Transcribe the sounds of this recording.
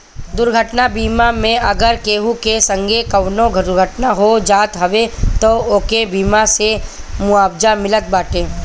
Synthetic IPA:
d̪ʊɾɡʱəʈnabiːmamẽʔɐɡəɾkeːɦukesə̃ŋɡʱekɐʋnõɡʱəʊɾɡʱəʈnaɦod͡ʒaːt̪ɦɐʋet̪ooːkebiːmasemʊaːbd͡ʒamɪlət̪̚baːʈẽː

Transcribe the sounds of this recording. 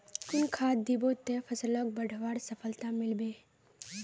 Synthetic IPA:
ʊnkʰaːd̪ibot̪ːepʰəsələk̚bəɖʱʋaːɽsəpʰəlt̪amɪlbeː

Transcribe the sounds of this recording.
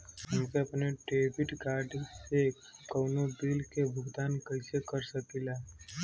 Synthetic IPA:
ɦʊ̃mːkeɐpneʈeːbɪʈɡaːɾɖse | kɐːnobiːlkebʱʊɡd̪aːnkɐɪsekɐɾsɐkilaː

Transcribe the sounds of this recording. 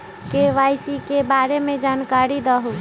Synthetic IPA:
keʋajsikebaɾemed͡ʒankaɾid̪əɦu

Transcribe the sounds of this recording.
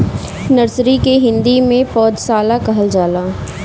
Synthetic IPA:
nɐɾsɾikeɦɪ̃nd̪imẽpɔːd͡ʒ̪saːlakɐɦəld͡ʒaːlaː

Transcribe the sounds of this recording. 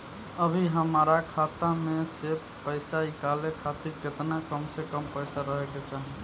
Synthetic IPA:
əbʱiɦəmɾakʰat̪ameseb | pəjsaikalekʰat̪iɾket̪nakəmsekəmpəɪsaɾəɦɛket͡ʃaɦi

